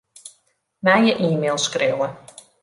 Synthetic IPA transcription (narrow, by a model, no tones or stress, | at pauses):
mɛjəʔiːmeːlˠskrewə